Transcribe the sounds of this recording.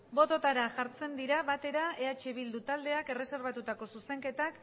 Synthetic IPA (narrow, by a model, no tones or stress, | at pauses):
bo̞t̪o̞t̪aɾaʝaɾt͡se̞nd̪iɾaβat̪e̞ɾae̞at͡ʃeβild̪ut̪ald̪e̞ake̞re̞se̞ɾβ̞at̪ut̪ako̞suse̞ŋke̞t̪ak